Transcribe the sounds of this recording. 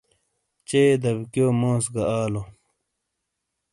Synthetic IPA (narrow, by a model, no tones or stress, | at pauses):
t͡ɕeːd̪ɐbkjoːmõːsɡɐaːlo